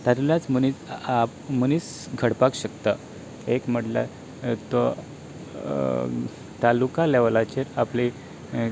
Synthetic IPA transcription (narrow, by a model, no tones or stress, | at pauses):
t̪aɾljat͡smənit͡sa | məniːt͡s | ɡʱəɽpakɕəkt̪a | ekm̤əʈla̰ | t̪o | t̪alukaleʋlat͡ɕeɾapli